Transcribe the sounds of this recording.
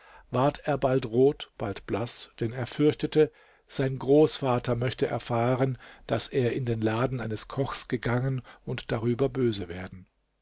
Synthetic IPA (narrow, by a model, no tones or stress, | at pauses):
vaːɐtʰeːɐbaltʁoːtb̥altb̥lasd̥ɛneːɐfʏɐçtətə | z̥aɪnɡʁoːsfaːtɐmœçtəʔɛ̰ɐfaːʁənd̥aseːɐɪndeːnlaːdn̩aɪnəskʰɔxsɡ̥əɡaŋənʔʊntd̥aʁyːbɐbøːzəveːɐdn̩